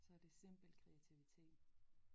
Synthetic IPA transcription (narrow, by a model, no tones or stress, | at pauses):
sɒ̽ɐd̥e̝sem̰b̥l̩kʰʁɛæt͡sʰiʋit͡sʰe̝̰ːd̥